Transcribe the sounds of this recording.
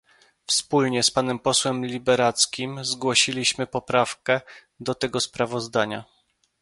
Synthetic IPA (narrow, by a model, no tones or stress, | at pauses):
fspulɲɛspanɛmpɔswɛmlʲibɛɾat̪skʲimzɡwɔɕilʲiɕmɘpɔpɾafkɛ | d̪ɔt̪ɛɡɔspɾavɔzd̪aɲa̰